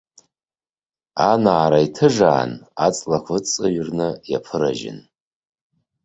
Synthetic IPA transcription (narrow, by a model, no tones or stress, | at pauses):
anaːɾaitʰɨʐaːnat͡sʼlakʷʰɨt͡sʼɨɥrnɨjapʰɨɾaʒɪ̰n